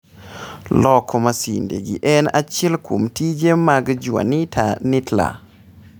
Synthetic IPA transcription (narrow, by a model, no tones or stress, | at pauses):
lɔkʰɔmasḭndḛɡḭʔɛnat͡ʃɛlkʰomtid͡ʒemaɡd͡ʒwa̰nitʰanitla̰